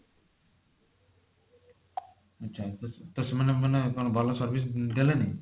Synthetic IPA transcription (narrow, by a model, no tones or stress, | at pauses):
ɐtːʃʰat̪t̪osmanemanekonɔbʱɔlɔsɔɾbis̬d̪eleni